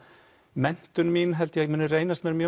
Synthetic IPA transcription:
mɛn̥t̪ʏnmiːnɦɛlt̪jɛɣmʏnʏɾejnast̪mɛːɾmjœː

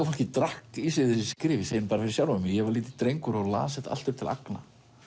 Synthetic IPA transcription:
aɾfol̥cɪt̪ɾahkisɪðɪsskɾɪːvɪseːjɪnpaːɾafɪɾɪ̥ɾ̥sjawlʏmɪjɛɣvaɾliːt̪ɪt̪ɾejŋkʏɾɔɣla̰ːsɪt̪a̰l̥t̪ʏp̚t̪ʰɪla̰kna

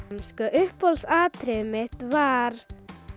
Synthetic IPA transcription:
mskœʔʏhphɔlsaːt̪ʰɾɪmɪht̪vaɾ̥

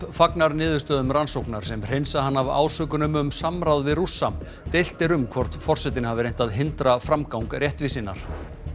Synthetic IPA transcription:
faknaɾnɪːðʏ̥st̪œːðʏmɾansowhknaɾ̥sɛmr̥ejnsahanːava̰ːwsœːkʏnʏmʏmsamɾawðvɪðrusːam | t̪ejl̥t̪ɪɾʏmkʰvɔr̥t̪fɔr̥sɛt̪ɪnɪhavɪɾejn̥t̪aðɦɪnt̪ɾafɾamkawŋkrjɛht̪vɪsɪnːaɾ̥

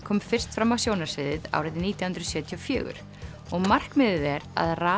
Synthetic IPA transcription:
kʰɔːmfɪr̥st̪fɾamawsjownasvɪðɪða̰wɾɪðɪniːt̪jahʏnt̪ɾðsjœːt̪ʰijɔfjʏ̰ːɣʏ̰ɾ̥ | ɔɣmar̥kmɪðɪðɛɾa̰ðraː

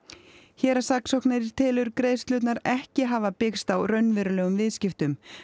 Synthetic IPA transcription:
çɛːɾasaksowknɪɾɪɾ̥t̪ʰɪːlʏɾkɾeːjst̪lʏːt̪̬naɾɛhcɪɦaːvapɪkst̪awrœɥnvɛːɾʏlɛːɣʏmvɪðscɪft̪ʏm

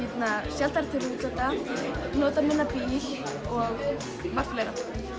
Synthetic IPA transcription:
ɛt̪nasjɛlt̪aɾt̪ʰɪɾut̪at̪a | nɔːt̪amɪnːapiji | ɔɣ | mark̪lɛjɣa̰

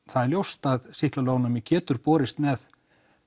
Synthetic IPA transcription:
θaðɛɾljowst̪aðsɪhklaloːwnamɪcʰɛːt̪ʏɾpɔːɾɪst̪mɛð

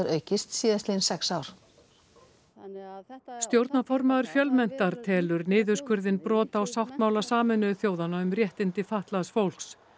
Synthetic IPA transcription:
ɾœːɥcɪst̪siːðast̪insɛksaːwɾ̥ | st̪jowɾt̪nafɔɾmaðʏɾ̥fjœlmɛn̥t̪aɾ̥t̪ʰɛːlʏɾnɪːðʏɾ̥skvʏɾðɪnpɾɔːt̪aːwsawht̪maːwlasaːmɪnʏθjoːwðanaʏmrjɛht̪ɪnt̪ɪfaht̪laðsfowl̥ks

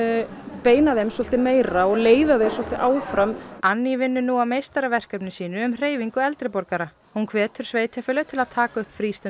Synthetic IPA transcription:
peːjnaðɪɪmsɔlt̪ɪmeːjɾaɔɣleːjðaðɪsɔl̥t̪ɪʔaːwfɾamanːivɪnːʏnuawmejst̪aɾavɛr̥kœpnɪsiːnʏːmr̥eːjviŋkʏɛlt̪ɾɪpɔɾkaɾa | hunkʰvɛːt̪ʏɾ̥sveːjt̪ʰjafʏːlʏt̪ʰɪlaðt̪ʰaːkaʏhpfɾiːst̪ʏ

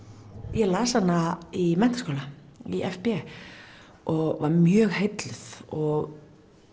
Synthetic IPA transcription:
jɛɣlaːsanːaimɛn̥t̪askoːlaiʔɛfpɛ | ɔɣvaɾmjœːɣhejt̪lɪθɔɣ

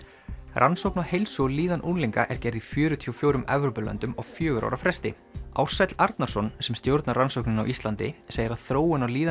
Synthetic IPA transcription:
rʔansowknahejlsɔliːðanʔunliŋkaʔɛɾ̥cɛɾðifjʏːɾʏt̪ʰiowfjoːwɾʏmɛvɾowpʏlœ̰nt̪ʏmɔɣfjœːɣʏɾa̰wɾafɾɛst̪ɪ̰ | awr̥sɛt̪l̥aɾt̪naɾ̥sɔnsɛmst̪jowɾt̪naransowknɪnawʔist̪lant̪ɪ̰seːjɪɾaðθɾoːwʏnawliːða

